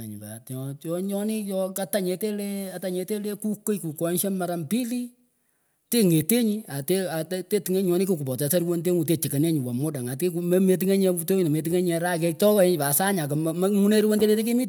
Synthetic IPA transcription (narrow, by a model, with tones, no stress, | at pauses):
ɲi˨ba̰˨tɔ˨tɔ˨ɲɔ˦ni˦jɔ˦ka˦ta˦ɲe˧te˦le˦a˨ta˨ɲe˧te˦le˦ku˦ko˦jku˨kɔ˨nʃe˦ma˦ɾa˦mpi˦li˦ | te˦ŋe˨te˦ɲi˦a˨te˦a˨te˦te˦ti˨ŋe˦ɲɔ˦ni˦ku˨ku˨pɔ˨te˨sa˦ɾu˦wo˦nte˦ŋu˨te˦˨t͡ʃi˨ke˨ne˦ɲi˨wa˨mo˦da˨ŋa˨ti˦ku˨me˦me˨t̬i˦ŋe˦ɲe˧u˦to˦˨ne˨me˨t̬i˦ŋe˦ɲɛ˨˦ɾa˦ke˦k̚tɔ˦kɔ˦e˦ɲ˨pa˨sa˦ɲa˨ko˨m˨m˦mu˦ne˦ɾu˦wo˦nde˦le˦te˦k̬i˦mi˦t